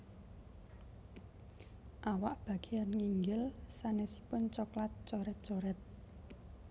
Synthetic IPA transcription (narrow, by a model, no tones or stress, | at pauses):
ʔawaʔb̥ä̤ɡ̥e̤janŋiŋɡɪlsanesi̥pʊnt͡ʃɔklat̪̚t͡ʃɔɾɛt̪̚t͡ʃɔɾɛt̪̚